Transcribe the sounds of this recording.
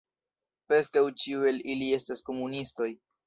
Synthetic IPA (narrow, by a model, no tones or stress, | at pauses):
pɾe̞skawt͡ʃiue̞lilie̞stasko̞munisto̞j